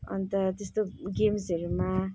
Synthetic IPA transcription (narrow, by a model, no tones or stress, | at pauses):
ʌ̰nt̪ʌt̪est̪oɡemsʌɾuma